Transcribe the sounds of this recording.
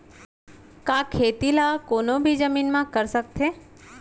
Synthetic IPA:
kaːkʰeːt̪ilakoːnobʱid͡ʒəmiːnmãkəɾsək̚t̪eː

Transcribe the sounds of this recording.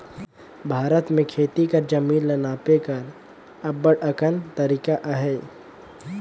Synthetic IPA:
bʱaːɾət̪mẽkʰeːt̪ikəɾd͡ʒəmiːnlɐnaːpekɐɾ | ɐbəɽəkənt̪əɾiːkaʔaɦɛː

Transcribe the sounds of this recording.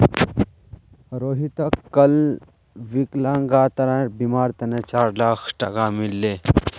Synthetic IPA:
ɾoːɦit̪ɐkːɐl | ʋiklãːŋɡaːt̪ɐɾãːʈbimaːɾt̪ɐnet͡ʃaːɾlaːkʰʈɐ̰kamilːeː

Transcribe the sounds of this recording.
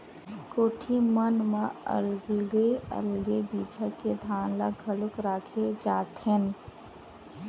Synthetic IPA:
koːʈʰimənmãə̰lɡeə̰lɡebiːt͡ʃaked̪ʱaːnla̰ɡʱəlʊkɾaːkʰed͡ʒaːt̪ɦen

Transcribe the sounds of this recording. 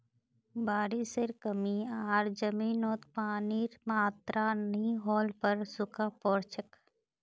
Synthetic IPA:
baːɾiseɾkəmiaːɾd͡ʒəmiːnoːt̪paːniːɾmaːt̪ɾʔaniɦɔːlpəɾsʊkaːpɔːɾt͡ʃʰək

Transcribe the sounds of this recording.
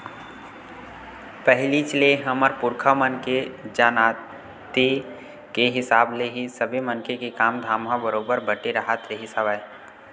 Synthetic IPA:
pɛɦlit͡ʃleɦəməɾpʊɾkʰamənked͡ʒaːnaː | t̪i | keɦɪsaːbleɦisəbʱimənkekekaːmd̪ʱaːmɦãbəɾoːbəɾbəʈeɾəɦət̪ɾeɦisaʋae

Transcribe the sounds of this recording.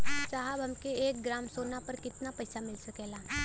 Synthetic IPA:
t͡ʃaːɦəbʱɐmkeeːk̚ɡɾaːmsoːnapɐɾkɪt̪napɐɪsamɪlsɐkeːlaː

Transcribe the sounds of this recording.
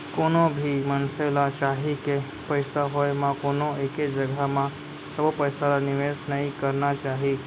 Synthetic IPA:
koːnobʱimənselat͡ʃaːɦike | pəɪsaɦojmãkoːnoeked͡ʒəɡʱamã | səbpəjsalanɪʋeːsnəɦĩkəɾnat͡ʃaːɦi

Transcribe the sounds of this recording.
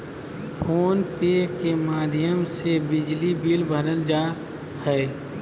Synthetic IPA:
pʰoːnpeːkemaːd̪ʱijəmsebɪd͡ʒlibiːlbʱəɾəld͡ʒaː | hɛe

